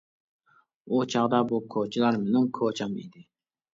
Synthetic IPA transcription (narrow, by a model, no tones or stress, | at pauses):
ut͡ʃʰɑʁd̪ɑbukʰot͡ʃʰilˠɑɾmɪnɪŋkʰot͡ʃʰɑmḭd̪ɪ